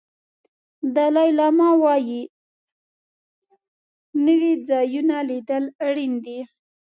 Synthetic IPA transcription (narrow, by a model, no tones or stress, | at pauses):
d̪alɑjlɑmɑwɑji | nəwid͡zɑjunalid̪əlaɽind̪i